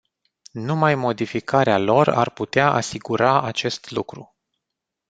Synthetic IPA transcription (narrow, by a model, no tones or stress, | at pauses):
numajmo̞d̪ifikʰaɾealo̞ra̰rput̪eaʔa̰siɡuɾaat͡ʃe̞st̪lukɾṵ